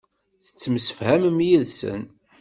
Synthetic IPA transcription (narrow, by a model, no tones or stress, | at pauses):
θə̥t͡sːəmsə̥fhæmmjiðsə̰n